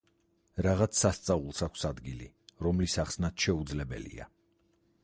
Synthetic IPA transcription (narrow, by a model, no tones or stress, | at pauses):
ɾaʁat̪sʰsːast̪sʼavulˠsakʷʰsad̪ɡili | ɾɔmlisaχsnat̪ʰʃɛud̪zlɛbɛ̰lḭa̰